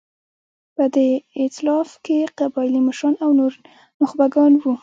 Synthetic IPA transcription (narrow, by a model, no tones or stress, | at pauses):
pəd̪əɪt̪ɪlɑfkeqabɑjɪliməʃɾɑnawnoɾ | nʊxbaɡɑnwu